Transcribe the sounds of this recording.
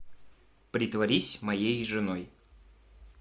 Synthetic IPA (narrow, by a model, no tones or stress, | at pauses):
pɾʲɪt̪vɐɾʲisʲmɐjejʐɨnoj